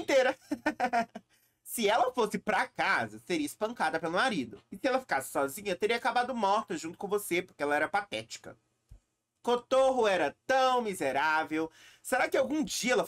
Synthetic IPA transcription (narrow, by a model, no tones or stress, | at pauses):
t̪eɾɐ | sɪɛlɐfosɪpɾɐkazɐseɾiɐɪspɐ̃ŋkad̪ɐpelʊnaɾid̪ʊɪsɪɛlɐfi̥kasɪ̥sɔzĩɲɐt̪eɾiɐakabad̪ʊmɔɾt̪ɐʒũt̪ʊ̥kõvosepʊɾkeɛlɐɛɾɐpat̪ɛt͡ʃi̥kɐ̰ | kot̪oɦʊɛɾɐt̪ɐ̃w̃mizeɾavewseɾakɪawɡũd͡ʒiɐɛlɐ